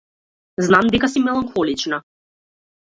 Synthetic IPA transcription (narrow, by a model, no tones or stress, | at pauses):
znamd̪ɛkasimɛlˠaŋxɔlit͡ʃna